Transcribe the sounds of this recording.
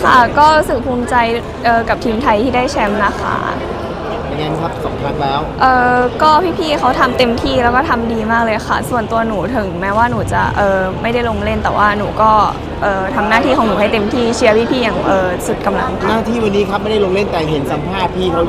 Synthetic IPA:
kʰa̰˥˩kɔː˥˩ɾuː˦˥sɯ˨˩k̚pʰuː˧mt͡ɕa˧j | ʔɤː˨˩ka˨˩p̚t̪ʰiː˧mt̪ʰa˧jt̪ʰiː˥˩daː˥˩jt͡ɕʰɛ˧˥mɾa˧˥xa̰ː˥˩˦ | a˨˧˩ŋa˧˥nkʰa˦˥p̚sɔ̰ː˩˦ŋpʰa˦˥k̚lɛː˦˥wʔɤː˨˧˩kɔː˥˩pʰiː˥˩pʰiː˥˩xʰa˦˥wt̪ʰa˧mt̪e˧mt̪ʰiː˥˩lɛː˦˥wkɔː˥˩t̪ʰa˧mdiː˧maː˥˩k̚lɤː˧jxʰa˥˩su˨˩ənt̪u˧ɐnuː˩˦t̪ʰɯ˨˩˦ŋmɛː˦˥waː˥˩nuː˩˦t͡ɕa̰˨˩ʔɤː˨ma˥˩jda˥˩jlo˧ŋle˥˩nt̪ɛː˨˩wʔaː˥˩nuː˩˦kɔː˥˩ | ʔɤː˨˧t̪ʰa˧mnaː˥˩t̪ʰiː˥˩ɔː˨˦nuː˩˦ha˥˩jt̪e˧mt̪ʰiː˥˩t͡ɕʰi˦˥ɐpʰiː˦˥˩pʰiː˥˩jaː˨˩ŋʔɤː˨˩su˨˩t̪̚ka˧mla˧ŋʰ˧naː˥˩t̪ʰiː˥˩wa˧nːiː˦˥kʰa˦˥p̚ma˥˩jda˥˩˨lo˧ŋle˥˩nt̪ɛː˨˩ɦe˨˩˦nsa˧˦mpʰaː˥˩pʰiː˥˩kʰa˦˥w

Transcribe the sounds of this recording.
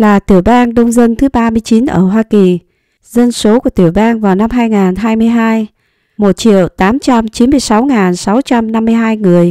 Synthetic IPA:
laː˨˩t̪i˧˩əwɓaː˧nɗə˧wŋ͡mzə˧nt̪ʰɨ˨˦ɓaː˧mɨ˧əjt͡ɕi˨˦nʔə̰ː˧˩ɦwaː˧ki˨˩ | zə˧nso˨˦ku˧˩ət̪i˧˩əwɓaː˧nvaː˨˩wna˧mɦaː˧jŋaː˨˩nɦaː˧jmɨ˧əjɦaː˧j | mo˨˩t̚t͡ɕḭ˧˨əwt̪aː˨˦mt͡ɕa˧mt͡ɕi˨˦nmɨ˧əjsa˨˦wŋaː˨˩nsa˨˦wt͡ɕa˧mna˧mːɨ˧əjɦaː˧jŋɨ˨˩əj

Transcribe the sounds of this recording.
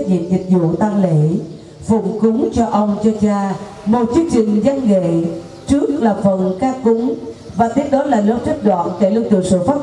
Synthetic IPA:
zḭ˧˨nzï˨˩k̟̚zṵ˧˨t̪aː˧ŋlḛ˧˨ | fʊ̰˧˩˨ŋ͡mkʊ˨˦ŋ͡mt͡ɕɔ˧ʔə˧wŋ͡mt͡ɕɔ˧t͡ɕaː˧ | mo˨˩t̚t͡ɕi˧˦əŋt͡ɕï˨˩ŋ̟za˧ŋŋḛ˧˨ | t͡ɕɨ˦˥ək̚laː˨˩fə˧˩˨nkaː˦˥kʊ˨˦ŋ͡mvaː˨˩t̪ʰe˨˦ɗɔ˨˦laː˨˩lə˨˦t͡ɕa˦˥k̚ɗwa̰ː˧˨nke˧˩lɨ˧wt̪ɨ̰˨ŋsɨ̰˧˨faː˦˥

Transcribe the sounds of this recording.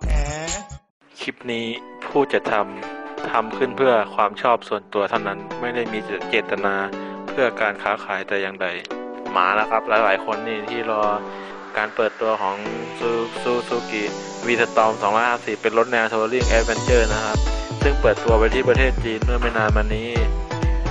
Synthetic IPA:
kʰi˦˥p̚niː˦˥pʰuː˥˩t͡ɕa˨˩t̪ʰa˧mt̪ʰa˧mkʰɯ˥˩npʰɯ˥˩ɐkʰwaː˧mt͡ɕʰɔː˥˩p̚su˨˩ənt̪u˧ɐt̪ʰa˥˩wna˦˥nma˥˩jda˥˩jmiː˧˨t͡ɕeː˨˩t̪ːa˧naː˧pʰɯ˥˩ɐkaː˧nkʰaː˨˦kʰaː˩˦jt̪ɛː˨˩ja˧ŋda˧jma̰ː˩˦la˦˥˩kʰa˦˥p̚laː˨˦˥wlaː˩˨˦jkʰo˧nːiː˧˥˩t̪ʰiː˥˩ɾɔː˧ | kaː˧npɤː˨˩t̪ːu˧ɐkʰɔː˩˦ŋsu˧suː˧˥suː˧ki˨˩ | wiː˧t̪ʰa˧t̪ɔː˧msɔː˩˦ŋlɔː˦˥jhaː˧˥˩si˨˩ppe˧nlo˦˥t̪̚nɛː˧wt̪ʰu˧ɾɯ˥˩əŋʔɛː˧˥t̪̚we˧nt͡ɕɤː˥˩na˦˥kʰa˦˥p̚sɯ˥˩ŋpɤː˨˩t̪ːu˧ɐpa˧jt̪ʰiː˥˩p̬ɾa˧t̪ʰeː˥˩t̪̚t͡ɕiː˧nmɯ˥˩ɐma˥˩jnaː˧nmaː˧nːiː˦˥

